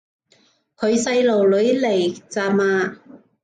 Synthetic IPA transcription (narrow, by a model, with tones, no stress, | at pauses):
kʰɵ˨˧ɥsɐ˧jlo˨˩wlɵ˨˥ɥle˨˩jt͡saː˧maː˧